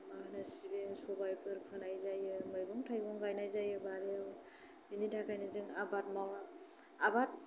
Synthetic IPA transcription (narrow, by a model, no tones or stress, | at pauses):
mahnasibeŋsɔbajpʰɯɾpʰɯnajzajɯmajbɔŋtʰajbɔŋɡajnajzajɯbaɾiaw | binidakajnɯzɯŋabat̚mawa | abat̚